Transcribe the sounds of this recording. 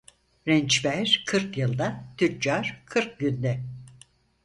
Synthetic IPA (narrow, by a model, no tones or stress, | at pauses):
ɾɛnt͡ʃbæɾ̥kʰɯɾkjɯlˠd̪at̪ʰytd͡ʒaɾ̥kʰɯɾk̚ɟynd̪ɛ